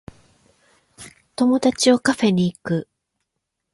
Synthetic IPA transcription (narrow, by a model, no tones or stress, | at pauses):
t̪o̞mo̞d̪at͡ɕio̞kaɸe̞ɲ̟iːkɯ̟